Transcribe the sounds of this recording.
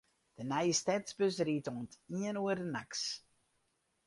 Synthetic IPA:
d̥ənɛjəstɛtsbøsriːtoəntiənuərdənaks

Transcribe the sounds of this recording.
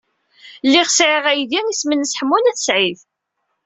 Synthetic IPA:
lːiʁsʕiʁæjðiŋismənːəsħəmːunæθsʕiθ

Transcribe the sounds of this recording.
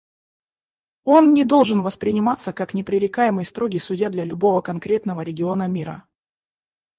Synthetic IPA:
o̞nnʲɪd̪o̞lˠʐɨnvəspɾʲɪnʲɪmat̪səkaknʲɪpɾʲɪɾʲɪkajɪmɨjst̪ɾo̞ɡʲɪjsʊdʲjad̪lʲɐlʲʊbo̞vəkɐnkɾʲe̞t̪nəvəɾʲɪɡʲɪo̞nəmʲiɾə̰

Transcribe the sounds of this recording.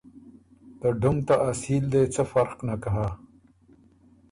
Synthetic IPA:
t̪əɖumt̪aʔːsiːld̪et͡səfɐɾqnakaɦa

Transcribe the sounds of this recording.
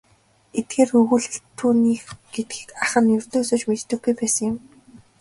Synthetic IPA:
et̪̚ɡ̥eːrɵɣŭɮ̆t̪ʰːuːniːxɡ̥et̪̚ɡiːkaχə̆njɵr̥ʲt̪oːsoːt͡ɕmet͡ɕt̪ːɵ̆ɡɡujpæːsə̆ŋjʊ̆m

